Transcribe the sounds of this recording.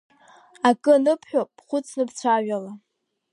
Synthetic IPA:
akʼɨnɨpʰħᶣop̚ʼːχʷʊt͡sʰnɨpt͡sʷʰaɥᶣala

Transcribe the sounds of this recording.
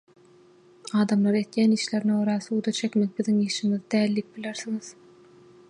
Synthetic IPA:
ɑːd̪ɑmlˠɑɾe̞t̪jæːniːʃle̞ɾnooɾɑθuːd̪ɑt͡ʃʰe̞kʲmek̚biðiŋiːʃiŋiðid̪æːlːiːk̚b̥ileɾθiŋið̥

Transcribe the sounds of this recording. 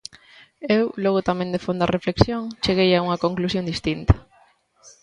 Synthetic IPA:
ewloɣ̞ot̪amẽnd̪efond̪ɐrefleksjoŋt͡ʃeɣejauŋɐkoŋklusjond̪ist̪int̪ɐ̥

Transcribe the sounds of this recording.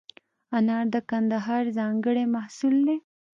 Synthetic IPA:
ɐnɑːɾd̪əkɐnd̪aɦɑːɾzɑːŋɡəɽemɐhsulne

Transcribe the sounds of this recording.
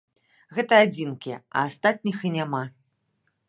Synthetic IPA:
ɣɛt̪ɐad͡zʲinkʲiɛɐ̰ast̪at̪̚ʲnʲixinʲama

